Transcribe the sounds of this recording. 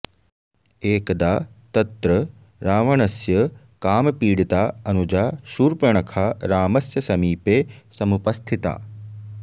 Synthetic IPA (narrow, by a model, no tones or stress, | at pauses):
eːkd̪aːt̪ɐt̪ɾə | ɾaːʋɐɳɐsjɐ | kaːmpiːɽit̪aːɐnud͡ʒaːʃuːɾpɐɳ̃ɐkʰaːɾaːmɐsjɐsɐmiːpeːsɐmupɐst̪ʰit̪a̰ː